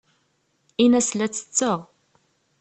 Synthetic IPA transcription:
inæslæt͡sːə̥t͡sːəʁ

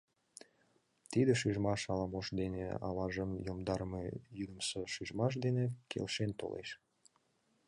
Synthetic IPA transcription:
t̪id̪eʃyʒmɑʃɑlɑmoʃd̪enḛɑ̰lɑʒəmjomd̪ɑɾmḛjyd̪əmsoʃyʒmɑʃ̬d̪enekʰḛlʃent̪o̰lḛʃ

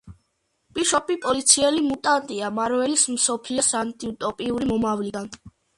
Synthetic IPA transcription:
pʼiʃɔpʼipʼɔlit̪sʰiɛlimut̪ʼant̪ʼiamaɾvɛlismsɔpʰliɔsant̪ʼiut̪ʼɔpʼiuɾimɔmavlid̪an

